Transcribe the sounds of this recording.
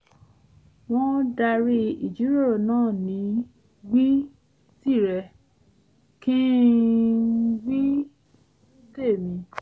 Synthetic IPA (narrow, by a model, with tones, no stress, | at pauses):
w̃ɔ̃˦da˧ɾi˧i˨d͡ʒi˨˦ɾoɔ˦˨nãː˦˨nĩ˨˦ | ɡi˦ | si˦˨ɾɛ˧ | kĩ˦ | ɡ͡bi˦ | de˦˨mĩ˨˧˦